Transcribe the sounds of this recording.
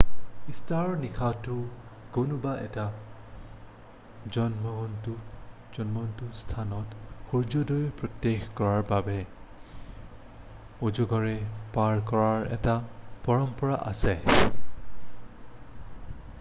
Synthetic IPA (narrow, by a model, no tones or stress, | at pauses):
istaɹnikʰatʊ | konʊbaʔɛta | d͡ʒɔnmɔɦntu | d͡ʒɔnmɔntustʰanɔtxuɹd͡ʒɔdɔjpɹɔtːexkɔɹaɹbabɛ | ud͡ʒɔɡɔɹɛpaɹkɔɹaɹɛ̰tapɔɹɔmpɔɹaʔa̰sɛ